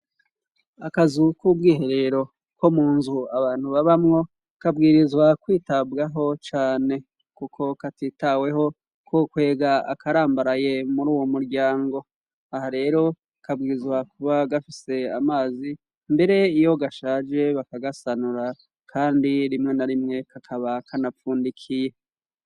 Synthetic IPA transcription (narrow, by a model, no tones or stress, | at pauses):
akazukub̚ɡiːɦe̞ɾe̞ɾo̞ | ko̞muːnzuaβaːn̥huβaβamŋo̞ | kabɡiːɾizwakwiːtabɡaɦo̞t͡ʃaːne̞ | kukʰo̞katiːtawe̞ɦo̞ | kokwe̞ːɡaa̰kʰaɾaːmbaɾaje̞muɾuːwomuɾɟaːŋɡo̞ | ahaɾe̞ːɾo̞ | kabɡiːɾizwakuβaɡafise̞a̰maːzi | mbe̞ɾe̞ijo̞ɡaʃaːd͡ʒe̞βakaɡasanuɾa | kʰaːndiɾimŋe̞naɾimŋe̞kakʰaβakanafuːndikʰije̞